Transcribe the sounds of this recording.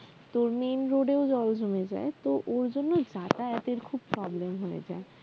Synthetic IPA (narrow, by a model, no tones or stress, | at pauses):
t̪oɾmenɾoɖeod͡ʑɔld͡ʑʱomed͡ʑa̰et̪oʔoɾd͡ʑonːod͡ʑaʈaɛt̪eɾkʰub̚pɾɔblemɦojḛd͡ʑa̰e